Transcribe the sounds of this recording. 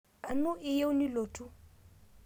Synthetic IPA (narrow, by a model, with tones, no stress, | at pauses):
a˨nʊ˦ʔɪ˦je˦ʊ˦ni˦loː˨tʰʼu˦